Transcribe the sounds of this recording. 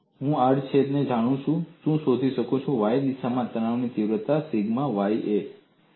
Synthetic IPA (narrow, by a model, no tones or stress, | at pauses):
ɦũaɖt͡ʃʰed̪ned͡ʒaɽ̃ũt͡ʃʰũʃũsod̪ʱiʃəkot͡ʃʰũʋajd̪iʃamãt̪əɽ̃aʋnit̪iʋɾət̪asiɡmãʋajʔe